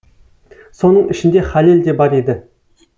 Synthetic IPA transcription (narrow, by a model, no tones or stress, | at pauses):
so̞nəɴɪʃɪnd̪e̞χaleld̪e̞bɑɾed̪ɪ